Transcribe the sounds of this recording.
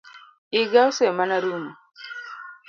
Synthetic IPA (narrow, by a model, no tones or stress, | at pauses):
iɡausɛmanaɾumu